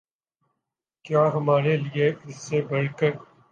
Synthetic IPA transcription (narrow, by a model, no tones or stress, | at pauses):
kjaːɦɐmaːɾelieɪsːebɐɽkəɾ